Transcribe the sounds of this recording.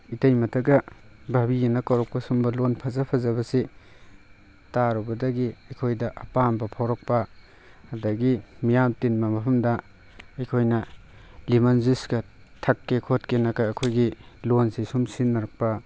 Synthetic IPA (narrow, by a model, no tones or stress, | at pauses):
itɐjmɐtʰɐɡɐbʱabijenɐkawɾɔk̚pɐsumbɐlonpʰɐzɐpʰɐzɐbɐsi | taɾɔbɐdɐɡiɐjkʰojdɐʔɐpambɐpʰawɾɔk̚pɐ | ɐdɐɡimijamtinmɐmɐpʰɐmdɐ | ɐjkʰojnɐ | limɐnzisɡɐ | tʰɐkːekʰotkenɐkɐːkʰojɡilonsisumsinːɐɾɐk̚pɐ